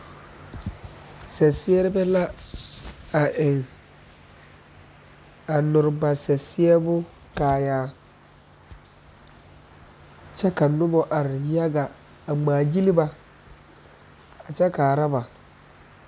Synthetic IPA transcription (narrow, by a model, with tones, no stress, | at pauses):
sɛ˨sɪ˦ɛ˦ɾɪ˦bɛ˦la˦ | a˨ʔɪ˨ŋ | a˨nʊ˨ɾba˨sɛ˨sɪ˦ɛ˦bʊ˦ | kaː˨jaː˦ | t͡ʃɛ˦ka˨nʊ˦bɔ˦ʔa˨ɾɪ˨ja˦ɡa˨ | a˨ŋ͡maː˨d͡ʒi˦li˦ba˨ | a˨t͡ʃɛ˦kaː˨ɾa˦ba˨